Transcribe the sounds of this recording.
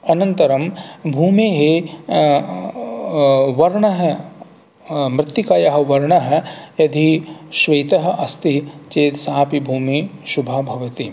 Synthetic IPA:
ɐnɐnt̪ɐɾɐmbʱuːmeːɦe | ʋɐɾɳɐɦɛ | mɾɪt̪ːikaːjɐɦɐ̆ʋɐɾɳɐɦɐjɐd̪ʱiʃʋɐjt̪ɐɦɐ̆ʔɐst̪it͡ʃeːt̪saːpibʱuːmiʃubʱabʱɐʋɐt̪i

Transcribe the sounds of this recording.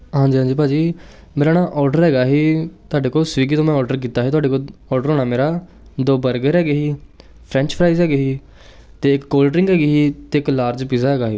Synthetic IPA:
ɦãːɲd͡ʒiːɦãːd͡ʒiːp̬aːd͡ʒiː | meːɾaːnaːʔɔːɾɖəɾɦɛːɡaːɦiːt̪ʊaːɖeːkoːlsʋiːɡiːt̪õːmɛ̃ːɔːɾɖəɾkiːt̪aːɦiːt̪ʊɦaːɖeːkoːlɔːɾɖəɾɦoːɳaːmeːɾaː | d̪oːbəɾɡəɾɦɛːɡeːɦiː | pʰɾɛ̃ːnt͡ʃpʰɾaːiːzɦɛːɡeːɦiː | t̪eːɪkːoːlɖɾɪ̃ŋɡɦɛːɡiːɦiːt̪eːɪklaːɾd͡ʒpiːzaːɦɛːɡaːɦiː

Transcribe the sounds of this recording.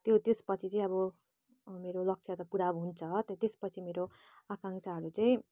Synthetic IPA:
t̪jot̪espʌt͡sʰit͡sʌĩʌbʌ | meɾolʌksʰjʌt̪ʌpuɽabɦunt͡sʰʌt̪ʌt̪espʌt͡sʰimeɾo | akaŋsaɦʌɾut͡sʌĩ

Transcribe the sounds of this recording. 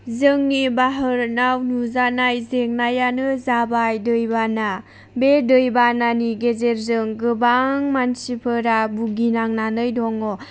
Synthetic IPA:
zɯŋnibaɦɯɾnawnuzanajzeŋnajanɯzabajdɯjbana | bedɯjbananiɡezeɾzɯŋɡɯbaŋmansipʰɯɾabuɡinaŋnanɯjdɔŋɔ

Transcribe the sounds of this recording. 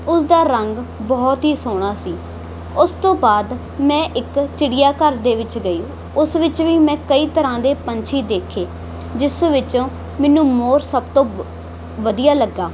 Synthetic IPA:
ʊsd̪aːɾəŋɡbɔːt̪ɦiːsoːɽ̃aːsiː | ʊst̪õːbaːd̪ | mɛ̃ːʔɪkt͡ʃɪɽɪjaːkəɾd̪eːʋɪt͡ʃɡəjõː | ʊsʋɪt͡ʃʋiːmɛ̃ːkəiːt̪əɾãːd̪eːpəɲt͡ʃʰiːd̪eːkʰeː | d͡ʒɪsːõːʋɪt͡ʃõː | mɛnũːmoːɾsəbt̪õː | ʋəd̪ijaːləɡːaː

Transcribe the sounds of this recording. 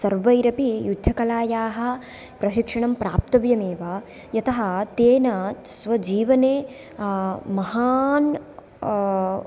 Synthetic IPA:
sɐɾʋɐjɾɐpijud̪ʱjɐkɐlaːjaːɦɐ̆ | pɾɐʃikʂɐɳɐmpɾaːp̚t̪ɐʋjɐmeːʋa | jɐt̪ɐɦɐt̪eːnɐsʋɐd͡ʒiːʋɐneː | mɐɦaːn

